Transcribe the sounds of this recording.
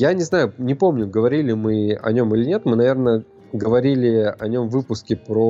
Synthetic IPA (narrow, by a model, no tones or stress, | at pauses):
janʲɪznajʊnʲɪpo̞mnʲʊɡəvɐɾʲilʲɪmɨɐ̰nʲo̞milʲɪnʲe̞t̪mɨnɐvʲe̞rnə | ɡəvɐɾʲilʲɪɐnʲo̞mvɨpʊskʲɪpɾo